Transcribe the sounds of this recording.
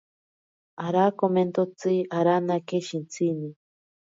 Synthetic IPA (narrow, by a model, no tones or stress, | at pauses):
aɾakoment̪ot͡siaɾanakeʃint͡sʰini